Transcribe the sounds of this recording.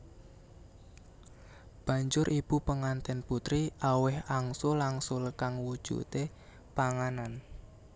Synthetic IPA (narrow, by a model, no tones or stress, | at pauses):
b̥ä̤ɲd͡ʒʊɾʔib̥upəŋant̪ɛnput̪ɾiʔawɪhaŋsolaŋsoləkaŋwud̥ʒ̥ṵt̪e | paŋanan